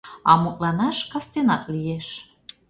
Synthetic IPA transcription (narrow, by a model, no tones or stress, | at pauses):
ɑmuk̪̚ʼlɑnɑʃkɑst̪enɑk̪̚lijeʃ